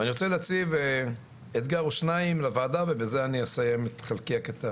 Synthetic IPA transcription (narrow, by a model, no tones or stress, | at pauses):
aniʁot͡seleat͡sive | et̪ɡaʁuʃnaimlavaːd̪avebezeaniasajemet̪χalkeaket̪a